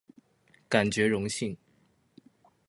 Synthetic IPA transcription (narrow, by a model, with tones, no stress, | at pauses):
ka˨˩nt͡ɕɥɛ˧˥ɻʊ˧˥ŋɕi˥˩n